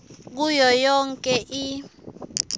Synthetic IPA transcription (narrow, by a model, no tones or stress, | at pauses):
k̬ujɔjɔŋkʼɛʔi